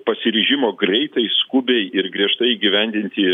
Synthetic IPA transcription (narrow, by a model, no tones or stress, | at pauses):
pɐsʲɪɾʲiʒʲɪmoːɡɾʲɛɪt̪ɐɪskʊbʲɛɪɪrɡɾʲiɛʃt̪ɐɪiːɡʲɪʋʲɛnʲd̪ʲɪnʲt̪ʲɪ